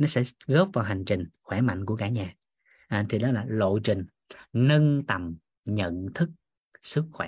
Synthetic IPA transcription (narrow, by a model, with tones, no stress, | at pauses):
nɔ˨˦sɛ̰˧˥ɣo˦˥p̚vaː˨˩ɦa˨˩jŋ̟t͡ɕï˨˩ŋ̟xwɛ˧˩ma̰˧˨jŋku˧˩əkaː˧˩ɲaː˨˩ | ʔa˨˩t̪ʰi˨˩ɗɔ˨˦laː˨˩lo̰˧˨t͡ɕï˨˩ŋ̟ | nə˧nt̪ə˨˩m | ɲə̰˧˨nt̪ʰɨ˦˥k̚ | sɨ˦˥k̚xwɛ˧˩